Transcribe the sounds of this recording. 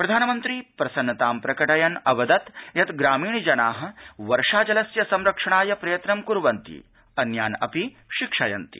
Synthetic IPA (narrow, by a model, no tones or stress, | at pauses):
pɾɐd̪ʱaːnɐmɐnt̪ɾiːpɾɐsɐnːɐt̪aːmpɾɐkɐʈɐjɐnɐʋɐd̪ɐt̪jɐt̪ɡɾaːmiːɳd͡ʒɐnaːɦɐ̆ʋɐɾʂaːd͡ʒɐlɐsjɐsɐmɾɐkʂɐɳaːjɐpɾɐjɐt̪ɾɐmkuɾʋɐnt̪ḭ | ɐnjaːnɐ̰pi | ʃikʂɐjɐ̰nt̪i̥̰